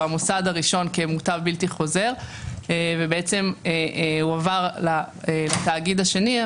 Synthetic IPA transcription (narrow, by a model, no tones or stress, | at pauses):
amusadaʁiʃo̞nkemutavbiltiχo̞ze̞ʁevebeet͡se̞meuavaʁla | elat̪aːɡid̪aʃe̞ni